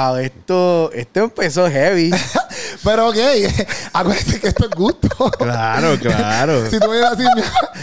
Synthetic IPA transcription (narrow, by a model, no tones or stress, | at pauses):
awet̪oest̪oempes̬oɦeβi | peɾookejakweɾðesekeest̪oeɡut̪o̥klaɾoklaɾosit̪uajeɾasimja